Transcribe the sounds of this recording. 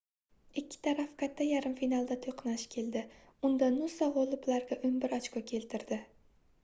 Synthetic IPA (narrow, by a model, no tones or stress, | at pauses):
ɪkʲːɪ̥t̪ʰaɾafkʰat̪ʰːajaɾɪmfinalˠd̪at̪ʰoqnaʃkʲʰe̞ld̪ɪ | ʊnd̪anʊsaʁolˠɪplaɾɡʲaʔʊnbɪɾɒt͡ʃkɒkʲʰe̞lt̪ʰɪɾd̪ɪ